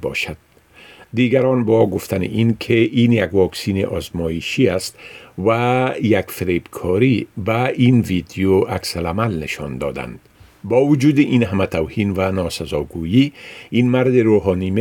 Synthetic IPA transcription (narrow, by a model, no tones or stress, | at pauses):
bɒ̰ʃad̪̥̚ | d̪iɡaɾɒnbɒɡʊft̪ʰanɪ̰ʔinkʰeinjaɡwɒksineʔɒzmɔiʃiast̪wajakfɪɾebkʰɔɾibainvid̪ijoaksalamalnɪʃɒ̰nd̪ɒ̰d̪a̰nd̪̥ | bɔːwʊd͡ʒuːd̪iʔinɦamat̪ʰawhinvanɔsazɔɡujiinmaɾd̪ɪɾoɦɔːnime